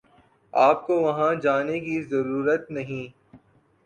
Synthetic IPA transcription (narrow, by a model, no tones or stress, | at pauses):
aːp̚koʋɐɦãd͡ʒaːnekizɐɾuːɾət̪nɐɦĩː